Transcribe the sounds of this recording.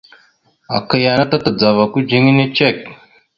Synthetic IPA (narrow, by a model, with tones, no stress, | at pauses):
a̰˨kə˨ja˨na˦t̪a˦t̪ə˨d͡za˨va˨ku˦d͡ʒi˦ŋi˦ne˦t͡ʃe˦˨k̚